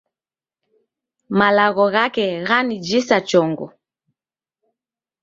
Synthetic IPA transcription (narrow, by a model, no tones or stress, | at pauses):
malaɣɔɣakɛɣanid͡ʒisat͡ʃɔŋɡɔ̰